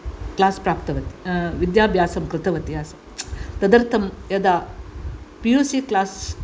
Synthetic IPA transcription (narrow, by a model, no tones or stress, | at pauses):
klaːspɾaːpt̪ɐʋɐt̪i̥ʋid̪jaːbʱjaːsɐmkɾɪt̪ɐʋɐt̪jaːsɐ | t̪ɐd̪ɐɾt̪ʰɐmjɐd̪aː | pijuːsiklaːs